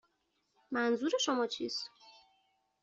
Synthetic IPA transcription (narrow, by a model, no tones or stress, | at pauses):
mænzuːɾe̞ʃomɒːt͡ʃʰḭːst̪